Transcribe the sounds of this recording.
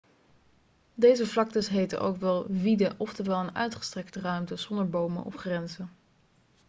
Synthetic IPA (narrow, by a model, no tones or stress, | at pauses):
dejzəvlɑk̚təsɦejtə̰nʔo̰wkʋɛlˠvidəʔɔftəʋɛlˠənœ̰ɥtχə̥strɛktrœɥmtəz̥ɔndəɹbowmə̰nʔɔ̰fχrɛnzən